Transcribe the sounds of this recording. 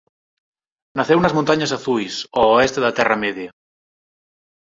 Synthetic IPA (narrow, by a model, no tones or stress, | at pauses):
naθewunɐzmõnt̪aɲasaθujsoːest̪eðat̪ɛrameðja